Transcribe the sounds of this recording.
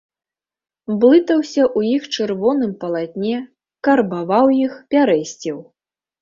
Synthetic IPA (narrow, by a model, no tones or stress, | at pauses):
blˠɨt̪ɐwsʲɐʔujixt͡ʂɨrvɔn̪ɨmpɐlˠat̪ʲnʲɛ | kɐrbavawjixpʲaɾɛsʲt͡sʲiw